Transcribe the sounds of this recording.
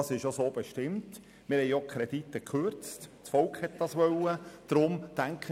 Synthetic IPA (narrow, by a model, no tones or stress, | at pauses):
ɑsɪʃjosoːb̥eʃtɪmt | mɪːɾhɛɪjokʰɾɛd̥itːəkχøɾt͡stt͡sfɔlkhɛt̚d̥ɑsʋœləd̪̥ɾʊmtæŋkʰχə